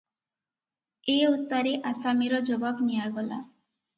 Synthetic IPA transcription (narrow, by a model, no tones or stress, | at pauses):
eut̪ːɔɾeʔasamiɾɔd͡ʒɔbabnijaɡɔla̰